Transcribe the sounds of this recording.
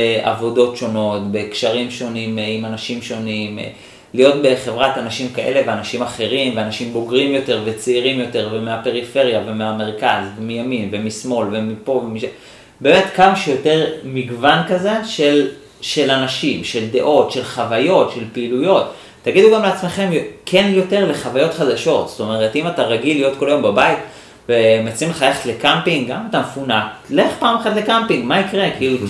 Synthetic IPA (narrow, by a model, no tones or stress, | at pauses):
eʔa̰vo̞do̞tʃo̞no̞tbe̞kʃaʁimʃo̞nimimanaʃimʃo̞nim̰ | lijo̞tbe̞χe̞vʁatanaʃimkaʔe̞le̞veanaʃimaχe̞ʁimveanaʃimbo̞ɡʁimjo̞te̞ʁve̞t͡seiʁimjo̞te̞ʁvemeape̞ʁife̞ʁjavemeame̞ʁkazvemijaminvemismo̞lvemipo̞vemiʃa | be̞ːmetkamaʃujo̞te̞ʁmiɡvankaze̞ʃe̞l | ʃe̞lanaʃimʃe̞ld̪e̞ʔo̞tʃe̞lχavajo̞tʃe̞lpeilujo̞tː | aɡid̪uɡamleat͡sme̞χe̞mjkʰe̞njo̞te̞ʁle̞χavajo̞t̪χad̪aʃo̞t̪st̪o̞me̞ʁetimataʁaɡilːijo̞tko̞lajo̞mbabait | vemat͡simleχajeχe̥tle̞kampiŋɡɡamatamfunale̞χpaːmeχatle̞kampiŋɡmaikʁe̞kiːlu